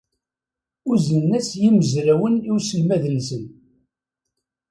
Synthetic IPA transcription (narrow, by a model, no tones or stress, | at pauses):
ʊzənːæsjiməzɾæwəniwsəlmæðənsən